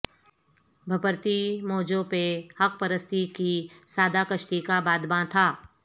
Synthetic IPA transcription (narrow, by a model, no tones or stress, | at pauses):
bʱɐpəɾt̪imɔːd͡ʒõpehɐk̚pəɾəst̪ʰikisaːd̪ʱakəʃt̪ikabaːd̪bãt̪ʰaː